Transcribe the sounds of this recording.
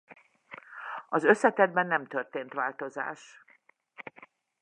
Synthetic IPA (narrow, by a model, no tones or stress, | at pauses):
ɒzø̞sːɛt̪ɛd̪̚bɛnːɛmt̪ørt̪eːnt̪ʋaːlt̪o̞za̰ːʃ